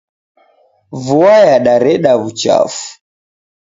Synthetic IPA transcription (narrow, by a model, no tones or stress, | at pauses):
vuajaɗaɾɛɗaβut͡ʃa̰fu̥